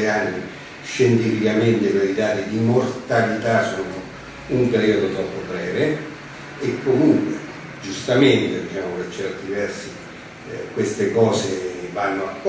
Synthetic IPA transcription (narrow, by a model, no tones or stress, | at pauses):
anːi | ʃːent̪ifikament̪ekeid̪aːt̪id̪imort̪alit̪asɔːno | umpeɾiod̪ot̪ɾɔpːobɾɛːve | ekːomuŋkwḛ | d͡ʒust̪ament̪ed̪it͡ʃaːmopet͡ʃːɛrt̪ivɛrsi | kwest̪ekɔːsevanːoakː